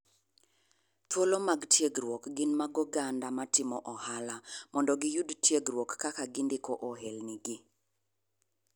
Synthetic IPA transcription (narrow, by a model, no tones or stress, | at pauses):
twolomaɡtjeɡɾwokɡɪnmaɡɔɡandamatɪmɔʔɔhalamɔndɔɡɪjudtjeɡɾwokːakaɡɪndɪkoʔoɦelniɡɪ